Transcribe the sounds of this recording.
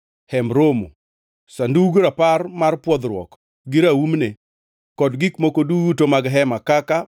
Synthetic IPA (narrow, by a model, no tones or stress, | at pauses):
hɛmɾomo̰ | sanduɡɾaparmarpwɔd̪ɾwɔ̰k | ɡɪɾaumne | kɔdɡikmokodutomaɡɦɛmakaka